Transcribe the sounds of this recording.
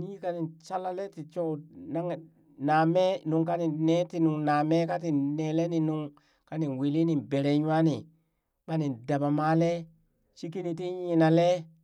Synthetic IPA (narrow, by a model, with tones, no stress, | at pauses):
ni˦ka˦ni˨nt͡ʃa˦la˦le˦ti˨t͡ʃo˦˨na˦ŋ˨ | na˨me˦nu˨ŋka˦ni˨nne˦ti˦nu˨ŋna˨me˦ka˦ti˨ne˨le˦ni˨nu˨ŋ | ka˦ni˨nwe˨li˦ni˨be˨ɾe˨ɲ˦a˦ni˨ | ɓa˦ni˨nda˨ba˨ma˦le˦ | t͡ʃi˦ki˦ni˨t̬i˦ɲi˨na˨le˦